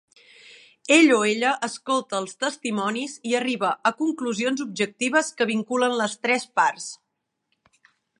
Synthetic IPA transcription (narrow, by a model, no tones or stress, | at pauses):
eʎoeʎəʔəskolˠt̪əːlˠst̪əst̪imɔniziəriβəʔəkuŋkluzionzub̚ʒək̚t̪iβ̞əskəβiŋkulənləst̪ɾɛspaɾs